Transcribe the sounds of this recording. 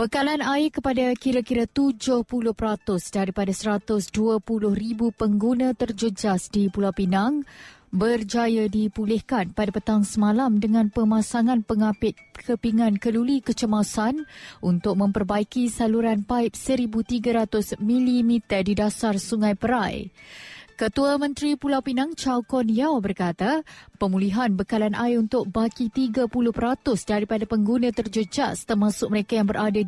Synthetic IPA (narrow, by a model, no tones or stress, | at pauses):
bəkalanaɪrkəpadakiɾakiɾat̪ud͡ʒʊhpulʊhpəɾat̪ʊsdaɾipadasəɾat̪ʊsduəpulʊhribupəŋɡunãt̪ərd͡ʒəd͡ʒasdipulapinaŋbərd͡ʒajadipulɪhkanpadapət̪aŋsəmalamdəŋãnpəmãsaŋãnpəŋapɪt̪̚kʰəpiŋankəlulikət͡ʃəmasanʔunt̪ʊk̚mə̃mpərbaikisaluɾanpaɪp̚səɾibut̪iɡaɾat̪ʊsmilimit̪ərdidasarsuŋãjpəɾaj | kət̪uamə̃nt̪ɾipulawpinaŋt͡ʃawkɔnijawbərkat̪apəmuliɦanbəkalanʔajunt̪ʊk̚bakit̪iɡapulʊhpəɾat̪ʊsdaɾipadapəŋɡunãt̪ərd͡ʒud͡ʒast̪ərmãsʊk̚məɾekajaŋbəɾʔada